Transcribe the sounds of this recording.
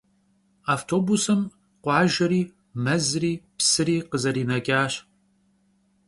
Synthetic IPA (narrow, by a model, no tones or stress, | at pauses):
aːftʰoːbusɨm | qʷɑːʒɐɾiː | mɐzriːpsɨɾiːqəzɐɾiːnɐkʲʼaːɕ